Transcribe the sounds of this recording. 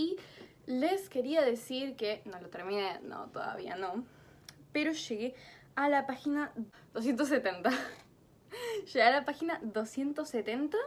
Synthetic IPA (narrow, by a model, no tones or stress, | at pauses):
i | leske̞ɾiaðe̞siɾkeno̞lot̪eɾmĩneno̰t̪oða̰βia̰no̞ | peɾo̞ʃeɣealapaxina | ðos̬je̞nt̪os̬ːet̪ent̪a | ʃeɣealapaxinaðo̞sje̞nt̪oset̪ent̪a